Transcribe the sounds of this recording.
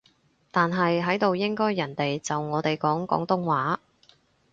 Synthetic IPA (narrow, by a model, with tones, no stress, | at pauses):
t̪aː˨nɦɐ˨jɦɐ˨˥jt̪o˨wjɪ˥ŋkɔː˥jːɐ˨˩nt̪e˨jt͡sɐ˨wŋɔː˨˧t̪e˨jkɔː˨˥ŋkɔ̰ː˨˥ŋt̪ʊ˥ŋwaː˨˥